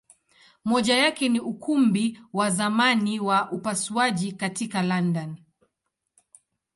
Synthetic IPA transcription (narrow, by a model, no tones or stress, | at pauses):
mɔʄajakɛniukumbiwazamaniwaʔupasuaʄikatikalandan